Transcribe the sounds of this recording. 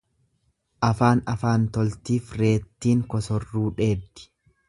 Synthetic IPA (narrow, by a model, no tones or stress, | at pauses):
ʔɐfaːnɐfaːnt̪ɔlt̪iːfɾe̞ːt̪ːiːŋkɔsɔrːuːᶑe̞ːb̚d̪ɪ̥